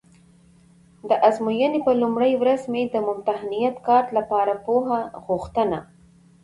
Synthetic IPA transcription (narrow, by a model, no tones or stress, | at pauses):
d̪əʔazmujənepəlumɽəjwɾazmed̪əmʊmt̪ahnijat̪kɑɾt̪lapɑɾapoɦaɣʊxt̪əna